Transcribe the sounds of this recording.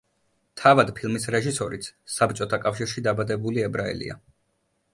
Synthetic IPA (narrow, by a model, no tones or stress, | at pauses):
t̪ʰavad̪pʰilˠmisɾɛʒisɔɾit̪sʰsapt͡ʃʼɔt̪ʰakʼafʃiɾʃid̪abad̪ɛbuliɛbɾaɛ̰lḭa̰